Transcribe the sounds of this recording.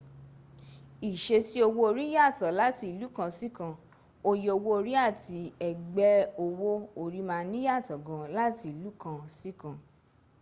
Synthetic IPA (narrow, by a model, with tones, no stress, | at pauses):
i˨ʃe˧si˦o˧wo˧o˧ɾi˦ja˦˨tɔ˨˦la˨˦ti˧i˨lu˨˦kã˧si˦kã˧˨ | o˧je˧o˧wo˧o˧ɾi˦a˦˨ti˧ɛ˨ɡ͡bɛ˧o˧wo˦o˧ɾi˦mãː˧nĩ˦ja˦˨tɔ˨ɡɔ̃˨˧la˦ti˧i˨lu˨˦kã˧si˦kã˧˨